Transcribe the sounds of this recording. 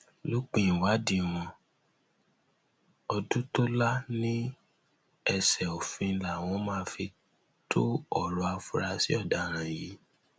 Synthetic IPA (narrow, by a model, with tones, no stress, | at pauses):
lo˦k͡pĩ˦˨wa˨˦dĩ˧w̃ɔ̃˧ | ɔ˧du˦to˦la˦nĩ˦ | ɛ˧sɛ˨o˨fĩ˧la˨w̃ɔ̃˨˦mãː˦˧fi˧ | tʰo˦ɔ˦˨ɾɔ˧a˧fu˦ɾa˧si˦ɔ˦˨da˨ɾ̃ã˨ji˨˦